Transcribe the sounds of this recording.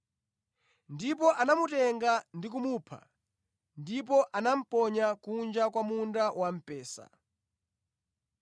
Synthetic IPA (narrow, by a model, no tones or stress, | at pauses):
ndip̬ɔʔanamutɛŋɡandik̬umupʰa̰ | ndip̬ɔʔanam̩pɔɲakund͡ʒakwamundawam̩pɛːsa̰